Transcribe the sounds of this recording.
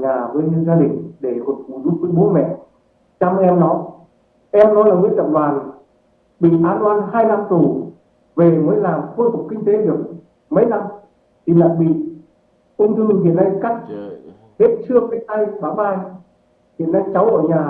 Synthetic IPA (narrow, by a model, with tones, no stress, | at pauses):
ɲaː˨˩vəː˨˦jɲɨ˧˦zaː˧ɗï˨˩ŋ̟ɗe˧˩kɔ˨˩nfu˧˩zʊ˨˧˥p̚vəː˨˦ɓo˨˦mɛ̰˧˨ | t͡ɕa˧m˧ʔɛ˧mnɔ˨˦ | ʔɛ˧mnɔ˨˦laː˨˩vi˨˦ət̪ə̰˧˨mvwaː˨˩n | ɓḭ˧˨ʔaː˧nwaː˧nɦaː˧jla˧mt̪u˧˩ | ve˨˩məː˨˦jlaː˨˩mxoː˧jfʊ˨˩k͡p̚kːï˧ŋ̟t̪e˨˦ɗɨ˨˩ək̚ | mə˨˦jla˧m | t̪ʰi˨˩la̰ː˧˨jɓḭ˧˨ | ʔʊ˧ŋ͡mt͡ɕɔ˧mï˨˩ŋ̟hḭ˧˨ənːa˧jka˦˥k̚ | he˦˥t̚t͡ɕɨ˧əkaː˨˦jt̪a˧jɓaː˧˦wɓaː˧j | hḭ˧˨ənːa˧jt͡ɕa˨˦wʔəː˧˩ɲaː˨˩